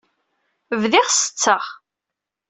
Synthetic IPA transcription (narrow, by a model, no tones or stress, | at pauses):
vðɪʁsə̥t͡sːəʁ